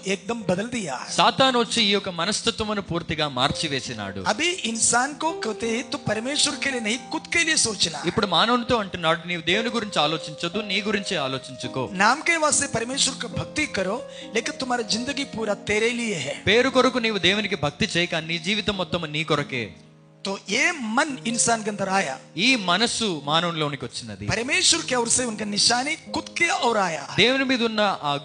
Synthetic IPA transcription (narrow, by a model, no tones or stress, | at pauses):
eːk̚d̪ɐmbɐd̪ɐld̪ija̰ːsaːt̪aːnʋɐt͡ʃːiiːjɔkɐmɐnɐst̪ʰɐt̪ʋɐmɐnupuːɾt̪iɡaːmaːɾt͡ʃiʋeːsina̰ːɽṵɐbiinsaːnkoːkɐʋt̪et̪upɐɾmeːʃɐɾkeːlinɐjikut̪keːlijesoːt͡ʃɐna̰ipːuɽumaːnɐʋnit̪o̞ːɐɳʈunːaːɽuniːʋud̪e̞ːʋuniɡuɾiɲt͡ʃiaːlo̞ːt͡ʃiɲt͡ʃɐd̪uniːɡuɾiɲt͡ʃiaːlo̞ːt͡ʃiɲt͡ʃuko̰ːnaːmkeːʋaːseːpɐɾmeːʃʋɐɾkɐbʱɐk̚t̪ikːɐɾo | lɛːkɐt̪umaːɾɐd͡ʒind̪ɐɡiːpuːɾaːt̪eːɾeːlijeɦɛpe̞ːɾukoɾɐkuniːʋud̪eːwunikibʱɐk̚t̪it͡ʃɛːjɐkaːninid͡ʒiːʋit̪ɐmːɔt̪ːɐmniːkɔɾɐkḛː | t̪oːeːmɐninsaːnɡɐnd̪ɐɾaːjɐ̰iːmɐnɐsumaːnɐʋnloːunikiʋɐt͡ʃːind̪ɐd̪ḭpɐɾɐmeːʃʋɐɾkeɐʋɾseːunkɐniʃaːnikut̪kɐjɐʔɐʋɾaːjɐ̰d̪eːwunimiːd̪ɐunːɐaː